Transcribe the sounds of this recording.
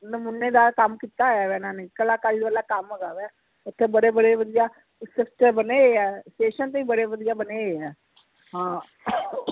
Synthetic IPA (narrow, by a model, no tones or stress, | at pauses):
nəmʊnːeːd̪aːkəmkiːt̪aːjaːʋɛːnãːnɪːkəlaːkaːlid̪əlaːkəmːəɡaːʋɛː | ʊt̪ʰːeːbəɽeːbəɽeːʋəd̪ijaː | sɪpʰʈəbəneːeːɛːseːʃənt̪̬eːiːbəɽeːʋəd̪ijaːbəneːeːɛː | ɦãː